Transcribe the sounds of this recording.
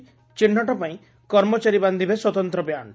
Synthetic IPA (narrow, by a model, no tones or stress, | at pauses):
t͡ʃiɳ̤ːɔʈɔpaĩ | kɔɾmɔt͡ʃaɾiband̪ʱibeswɔt̪ɔnt̪ɾɔbjanɔ